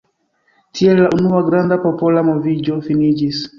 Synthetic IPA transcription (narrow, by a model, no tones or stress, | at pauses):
tʰiɛllaʔunuwaɡɾand̪apɔpɔlamɔvid͡ʒɔfinid͡ʒis